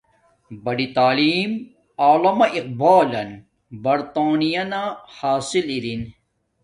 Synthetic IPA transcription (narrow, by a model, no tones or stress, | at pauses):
bɐɖit̪aːliːm | aːlɐmɐʔiq̚baːlɐn | bɐɾt̪aːnijɐnahaːsiliɾin